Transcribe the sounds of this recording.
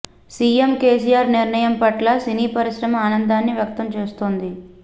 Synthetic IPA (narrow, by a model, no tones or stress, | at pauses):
siːemkeːs̬ijaːɾniɾnɐjɐmpɐʈlɐsiniːpɐɾiʃɾɐmɐaːnɐnd̪aːnːiʋjɐk̚t̪ɐmt͡ʃeːst̪oːnd̪i